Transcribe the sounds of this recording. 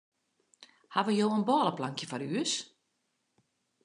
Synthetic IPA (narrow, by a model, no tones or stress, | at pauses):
haʋəjoːənbɔːləplaŋkjəfɔryəs